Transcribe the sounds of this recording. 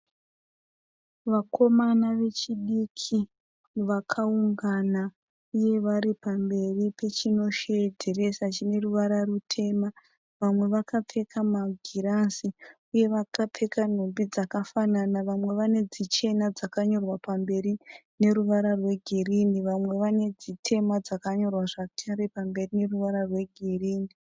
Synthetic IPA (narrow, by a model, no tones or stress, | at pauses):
ʋakʰo̞manaʋe̞t͡ʃiɗikʰi | ʋakʰauŋɡana | uje̞ʋaɾipambe̞ripe̞t͡ʃino̞ʃedʱere̞sat͡ʃine̞ruʋaɾarutʰe̞ma | ʋamwe̞ʋakap͡fekʰamaɡʱiɾansi | uje̞ʋakap͡fe̞kan̤ombid͡zakafananaʋamwe̞ʋane̞d͡zit͡ʃe̞nad͡zakaɲo̞rwapambe̞ɾi | ne̞ɾuʋaɾarwe̞ɡʱiriniʋamwe̞ʋane̞d͡zitʰe̞mad͡zakaɲo̞rwaʐatʰaɾepambe̞rine̞ruʋaɾarwe̞ɡʱiriːni